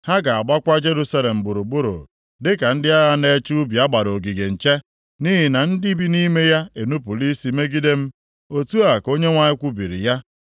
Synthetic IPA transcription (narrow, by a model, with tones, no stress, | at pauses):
ha˦ɡa˨a˨ɡ͡ba˦kʷa˦d͡ʒe˦ɾu˦sa˦le˨m̩˨bʊ˨ɾu˨ɡ͡bʊ˦ɾo̰˨ | dɪ˦ka˨n̩˦dɪ˦a˦ɣa˦ne˦t͡ʃu˦bi˨a˦ɡ͡ba˨ɾo˨ɡi˨ɡe˨n̩˨t͡ʃe˦ | ni˦ɦɪ˨na˨n̩˦di˦bi˦ni˦me˦ja˦e˨nu˦p̬u˨li˦si˨me˦ɡi˦de˦m̩˦ | o˦tu˦a˨ko˦ɲe˦ŋʷa˦ɲɪ˦kʷu˦bi˨ɾḭ˨ja˦